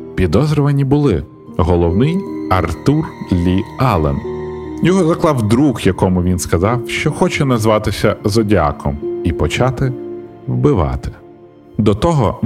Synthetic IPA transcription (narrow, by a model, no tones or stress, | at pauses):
pʲid̪ɔzɾɔʋɐnʲibʊlˠɪ | ɦɔlˠɔwnɪjɐrt̪urlʲiɑlˠḛnjɔɦɔzɐklˠɑwd̪ɾukjɐkɔmʊʋʲinskɐzɑwʃt͡ʃɔxɔt͡ʃɛnɐzʋɑt̪ɪsʲɐzɔdʲa̰kʰɔmipɔt͡ʃɑt̪ɪ | wbɪʋɑ̰t̪ɪ̥ | d̪ɔt̪ɔɦɔ